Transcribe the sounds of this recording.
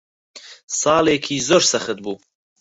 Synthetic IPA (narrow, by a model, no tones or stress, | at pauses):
sɑːleːkʰiːzoːɾsɐxɨt̪̚buː